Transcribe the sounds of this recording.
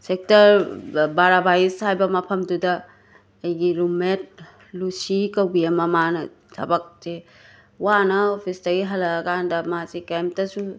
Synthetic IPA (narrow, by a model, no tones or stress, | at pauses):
sek̚tɐɾbaɾabaishajbɐmɐpʰɐmdudɐː | jɡiɾumet̚ | lusikɐwɡiɐmɐmanɐ | tʰɐbɐk̚se | wanɐopʰisdɐɡiɦɐlɐːkʰandɐmasikemp̚tɐsu